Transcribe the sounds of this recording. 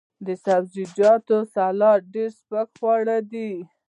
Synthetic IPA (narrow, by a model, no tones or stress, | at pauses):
d̪əsabzid͡ʒɑt̪osalɑɖeɾspakxwɑɽad̪i